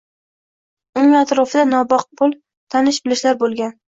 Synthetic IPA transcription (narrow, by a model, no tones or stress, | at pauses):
ʊnɪŋat̪ɾɒfɪd̪anɒbɒq̚pʰʊlˠ | t̪ʰanɪʃbɪlɪʃlaɾbolˠɡʲan